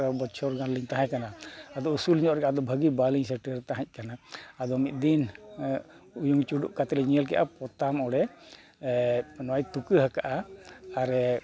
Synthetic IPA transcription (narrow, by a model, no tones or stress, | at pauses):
abɔt͡ʃʰɔɾɡãnliɲt̪aɦãjkanaːd̪ɔusuliɲɔʔɾɛkad̪ɔbʱəɡibaliŋsɛʈɛɾt̪aɦãc̚ˀkanaːd̪ɔmit̪̚ˀd̪in | ujuŋt͡ʃuɖṵʔkat̪ɛlɛɲiəlkɛ̰ʔa̰pɔt̪amɔɽɛ | nɔajt̪ukəɦəkaʔaaɾɛ